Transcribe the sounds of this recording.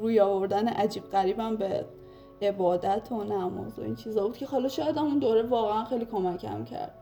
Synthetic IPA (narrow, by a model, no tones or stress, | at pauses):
ruːjɒːvo̞ɾd̪æneʔæd͡ʒiːb̥̚ɢæɾiːbæmbe | ebɒːd̪æt̪ʰo̞næmɒ̰ːzo̰ḭnt͡ʃʰiːzɒːbud̪kcʰe̞hɒːlɒːʃɒːjæd̪æmund̪oːɾevɒːɣeænxejliːkʰo̞mæcʰæ̰mcʰæ̰ɾd̪̚